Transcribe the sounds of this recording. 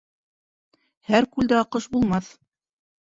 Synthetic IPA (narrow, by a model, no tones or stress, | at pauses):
hæɾkʉld̪æɑqɤʃbulˠmɑθ